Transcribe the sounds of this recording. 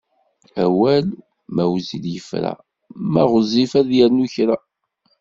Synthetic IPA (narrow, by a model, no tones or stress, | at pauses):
æwæl | mæwziljəfɾæ̰ | mæʁəzifæðjəɾnuçɾæ